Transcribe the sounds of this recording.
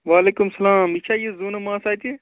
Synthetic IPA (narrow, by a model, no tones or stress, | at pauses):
ʋaːleːkʊmsɐlaːmit͡ʃʰaːjezuːnɐmãːsaːit̪ẽː